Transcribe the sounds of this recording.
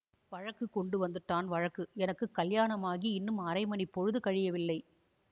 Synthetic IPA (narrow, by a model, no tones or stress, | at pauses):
ʋɐɻɐkːɯkːɔɳɖɯʋɐnd̪ɯʈːaːnʋɐɻɐkːɯɛnɐkːɯkːɐljaːnɐmaːɣiɪnːɯmɐɾɐɪmɐnipːɔɻɯðɯkɐɻɪjɐʋɪlːɐɪ